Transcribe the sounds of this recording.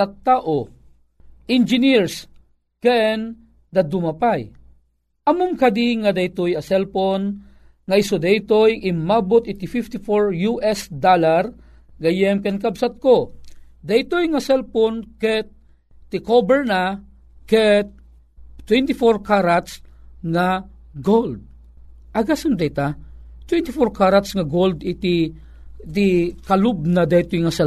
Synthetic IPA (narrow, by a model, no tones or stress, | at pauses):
at̪ːaːʔo | ʔɪnd͡ʒɪniɹs | kɛn | d̪ɐd̪ʊmɐpaj | ʔɐmʊmkɐd̪iŋad̪ɐjt̪ojɐsɛlpon | ŋaɪsod̪ɐjt̪ojʔɪmːabot̪ɪt̪ɪfift̪ɪfoɹjuʔɛsd̪alaɾ | ɡɐjɛmkɛnkɐbsat̪̚ko | d̪ajt̪ojŋɐsɛlponkɛt̪̚ː | ɪkobɛɹna | kɛt̪̚ | t̪ːwɛnt̪ɪfoɾkaɾat̪sŋa | ɡold̪̚ | ʔɐɡasɐnd̪ɛjt̪at̪wɛnt̪ɪfoɾkaɾat̪sŋɐɡold̪ɪt̪ɪ | t̪ɪkɐlʊb̚nad̪ajt̪ojŋɐsɛ